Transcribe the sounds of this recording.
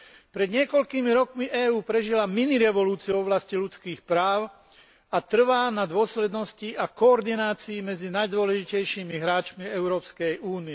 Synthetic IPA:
pɾɛd̪ɲɪɛkɔʎkiːmiɾɔkmiʔɛːuːpɾɛʒilaminiɾɛʋɔluːt͡siuɔʋlascilut͡skiːxpɾaːʊ | at̪r̩ʋaːnad̪ʊɔslɛd̪nɔsciʔakɔːɾd̪inaːt͡siːmɛd͡zinajd̪ʊɔlɛʒicɛjʃiːmiɦɾaːt͡ʃmiɛʊɾɔːpskɛjʔuːniɛ

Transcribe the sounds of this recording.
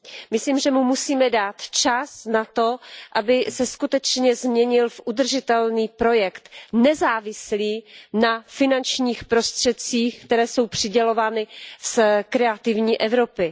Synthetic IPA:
mɪsliːmʒɛmumusiːmɛdaːt̪t͡ʃasnat̪o̞ʔabɪsɛskut̪ɛt͡ʃɲɛzmɲɛɲɪlfʔud̪r̩ʒɪt̪ɛlniːpɾo̞jɛkt̪nɛzaːvɪsliːnafɪnant͡ʃɲiːxpɾo̞st̪r̝̥ɛt̪̚t͡siːxkt̪ɛɾɛːso̞wpr̝̥ɪɟɛlo̞vaːnɪskɾɛat̪ɪvɲiːʔɛvɾo̞pɪ

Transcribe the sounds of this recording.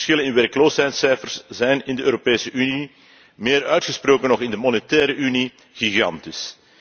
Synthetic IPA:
sxɪlənɪnʋɛrkloːsɦɛjtsɛjfərszɛjnɪndəøːɾopeːsəʔyni | meːɾœɥtxəsproːkənɔxɪndəmɔnɛtɛːɾəʔyni | ɣiɣɑntɪs

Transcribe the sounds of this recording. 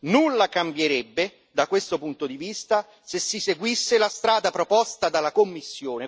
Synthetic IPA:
nulːakambjeɾɛbːe | d̪akwest̪opunt̪od̪ivist̪a | sesːiseɡwisːelast̪ɾaːd̪apɾopɔst̪ad̪alakomːisːjoːne

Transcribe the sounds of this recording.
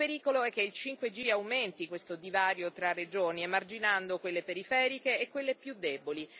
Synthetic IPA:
peɾiːkoloɛkːeilt͡ʃiŋkwed͡ʒiawment̪ikwest̪od̪ivaːɾjot̪ɾarːed͡ʒoːniemard͡ʒinand̪okwelːepeɾifɛːɾikeːkwelːepjud̪ːeboli

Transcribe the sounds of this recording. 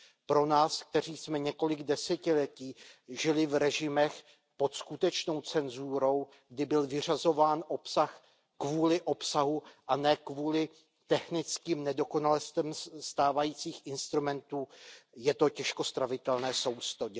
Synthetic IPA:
pɾo̞naːsk̚t̪ɛr̝iːsmɛɲɛko̞lɪɡdɛsɛcɪlɛciːʒɪlɪvɾɛʒɪmɛx | po̞t̪skut̪ɛt͡ʃno̞wt͡sɛnzuːɾo̞w | ɡdɪbɪlvɪr̝azo̞vaːnʔo̞psax | kvuːlɪʔo̞psaɦuʔanɛːkvuːlɪ | t̪ɛxnɪt͡skiːmnɛdo̞ko̞nalɛst̪ɛmst̪aːvajiːt͡siːxʔɪnst̪ɾumɛnt̪uːjɛt̪o̞cɛʃko̞st̪ɾavɪt̪ɛlnɛːso̞wst̪odɛ

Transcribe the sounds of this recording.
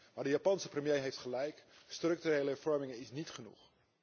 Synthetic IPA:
maːdəjaːpɑnsəprəmjejɦejftχəlɛjkstrɵk̚tyrejləɛɹv̥ɔɹmɪŋənɪsnitχənṵχ

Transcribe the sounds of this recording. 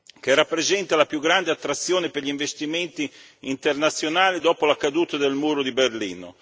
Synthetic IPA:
kerapːɾezɛnt̪alapjuɡːɾand̪eat̪ːɾat̪sːjoːnepeɾʎiɱvest̪iment̪iː | nt̪ernat̪sːjonaːlid̪ɔːpolakad̪uːt̪ad̪elmuːɾod̪iberlḭːno̰

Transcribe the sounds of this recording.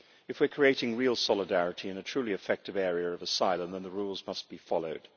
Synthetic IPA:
ɨfwɨ˞kʰɹ̥ieɪɾɪ̃ŋɹilˠsɑlˠədæɹɨɾiɨ̃nɨtʰɹ̥ʉliɨfɛk̚tɨvɛɹiə˞ʌvəsaɪlˠə̃mðə̃nðəɹulˠzmʌst̚b̥ifɑlˠoʊd̥

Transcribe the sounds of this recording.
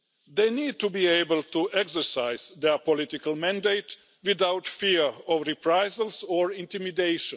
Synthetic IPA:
d̪ejniːd̚tubiːejbəlt̪uʔɛksə˞saɪzd̪ɛpɔlɪt̪ikəlmæ̃ndeɪt̪ | ʋiðawt̪fiɹɔʋɾipɾajzəlsɔːɹĩnt̪imideɪʃə̃n

